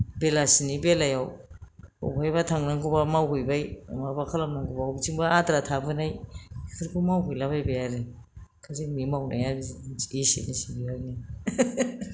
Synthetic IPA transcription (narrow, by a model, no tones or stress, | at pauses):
belasinibelajaw | ṵbajbatʰaŋnaŋɡubamawɦujbaja̰mabakʰalamnaŋɡubawbt͡ʃiŋbaatɾatʰabɯnajkʰɯɾkumawkujlabajbajaɾi | kʰasimimawna̰jabiisḭnisiɡiani